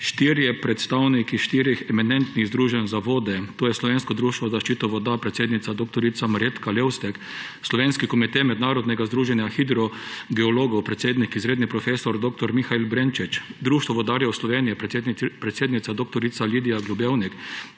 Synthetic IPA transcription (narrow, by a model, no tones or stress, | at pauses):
ʃt̪iɾjɛpɾɛt̪st̪awnikiʃt̪iːɾjixɛmɛnɛnt̪niɣzd̪ɾuːʒɛnzaʋoːd̪ɛt̪oːjɛslɔʋeːnskɔd̪ɾuːʃt̪ʋɔzaʃt͡ʃit̪ɔʋɔd̪apɾɛt̪seːd̪nit̪sad̪oːk̚t̪ɔɾit̪samaɾet̪kalewst̪ɛk | slɔʋenskikɔmit̪ɛmɛd̪naːɾɔd̪nɛɡazd̪ɾuːʒɛnjaxid̪ɾɔɡɛɔloːɡɔwpɾɛt̪seːd̪nikizɾeːd̪nipɾɔfesɔɾd̪oːk̚t̪ɔɾmixailbɾent͡ʃit͡ʃd̪ɾuːʃt̪ʋɔʋɔd̪aːɾjɛwslɔʋeːnijɛppɾɛt̪seːd̪nit̪ad̪ok̚t̪ɔɾit̪saliːd̪ijaɡlubewnik